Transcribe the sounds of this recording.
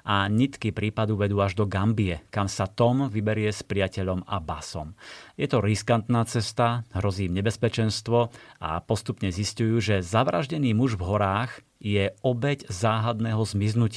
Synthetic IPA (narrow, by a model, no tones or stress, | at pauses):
ʔaɲit̪kipɾiːpad̪uʋɛd̪uːaʒd̪ɔɡambiɛkamsat̪ɔmʋibɛɾɪɛspɾiacɛʎɔma̰ba̰sɔ̰mjɛt̪ɔɾiskant̪naːt͡sɛst̪aɦɾɔziːmɲɛbɛspɛt͡ʃɛnst̪ʋɔa̰pɔst̪upɲɛziscujuːʒɛzaʋɾa̰ʒɟɛniːmuʒvɦɔɾaːɣ | jɛɔbɛɟzaːɦad̪nɛːɦɔzmiznuc